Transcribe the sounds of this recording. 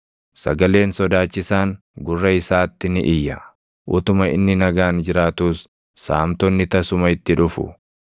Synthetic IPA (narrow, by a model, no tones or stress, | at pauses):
sɐ̰ɡɐle̞ːnsɔd̪aːt͡ʃːɪsaːŋ | ɡʊrːɐɪsaːt̪ːɪnɪʔɪjːɐ | ʔʊt̪ʊmɐɪ̰nːɪnɐɡaːnd͡ʒɪɾaːt̪uːs | saːmt̪ɔnːɪt̪ɐsʊmɐɪt̪ːɪᶑʊfʊ̰